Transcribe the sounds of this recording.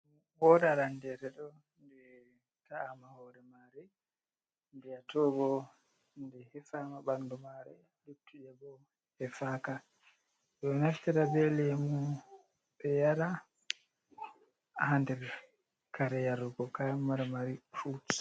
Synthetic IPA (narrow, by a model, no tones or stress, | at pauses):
wɔdaɾandɛɾɛɗɔ | ndɛ | taːmahɔɾɛmaɾɛ | nbɛatɔɡɔ | ndɛhɛfamabandumaɾɛ | litʰːuɗɛbɔ | hɛfaka | ɗɔnaftiɾabɛlɛmu | ɓɛjaɾa | handɛɾ | kaɾɛjaɾuɡɔkamaɾamaɾifut